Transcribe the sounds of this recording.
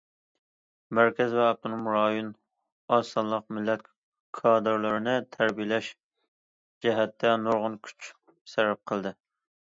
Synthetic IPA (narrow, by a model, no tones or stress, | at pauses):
mæɾkʲɛzvɛɑp̚t̪ʰunumɾɑjun | ɑsɑnlˠəq̚mɪlɛt̪ʲ | kʰɑd̪ɨɾlˠɨɾɨnɨt̪ʰæɾbijlɛʃ | d͡ʒɛɦɛt̪ʰːɛnoɾʁʊnkʲʰy̥t͡ʃʰ | sɛɾɛp̚qʰəlˠd̪ɨ